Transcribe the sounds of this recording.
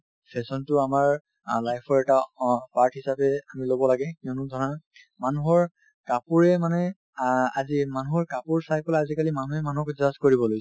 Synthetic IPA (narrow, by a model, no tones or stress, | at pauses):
sesɔntʊamaɹ | lajpʰɔɹɛtapaɹtʰɦisapɛamilobɔlaɡɛkiɔnʊdʱɔɹa | manuɦɔɹ | kapuɹɛmanɛ | azimanuɦɔɹkapuɹsajpɔlaazikalimanuɦɛmanukzaskoɹibɔlojs